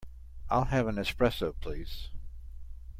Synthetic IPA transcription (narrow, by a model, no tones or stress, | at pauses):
ʔaɪlˠɨvə̃nɨkspɹɛsəpʰl̥iz̥